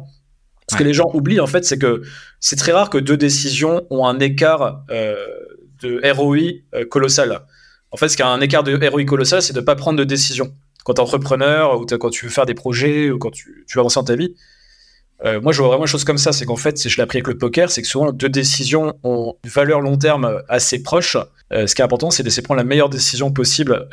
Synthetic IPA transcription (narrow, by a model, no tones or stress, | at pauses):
sə̥kəleʒɑ̃ʔubliɑ̃fɛt̪sɛk̬əsɛt̪χɛʁaʁkəd̪ød̪esizjɔ̃ɔ̃ɛ̃nek̬aʁø | d̪əeʁɔiøkɔlɔsal | ɑ̃fɛt̪sə̥kʲjɛɛ̃nek̬aʁd̪əeʁɔik̬ɔlɔsalsɛd̪əpapχɑ̃d̪ʁd̪əd̪esizjɔ̃ | kɑ̃t̪ɑ̃t̪χəpχənœʁut̪kɑ̃t̪yvøfɛʁd̪epχɔʒɛukɑ̃t̪y̥t̪yvavɑ̃sed̪ɑ̃t̪avi | ømwaʒəvwavʁɛmɑ̃d̪nʃoz̥kɔms̬asɛkɑ̃fɛt̪siʒəleapχiavɛkləpɔkʲɛʁsɛkə̥suvɑ̃d̪ød̪esizjɔ̃ɔ̃ynvalœʁlɔ̃t̪̬ɛʁmøasepχɔʃ | øsə̥kiɛt̪ɛ̃pɔʁt̪ɑ̃sɛd̪lesepχɑ̃d̪lamɛjœʁd̪esizjɔ̃p̬ɔsibl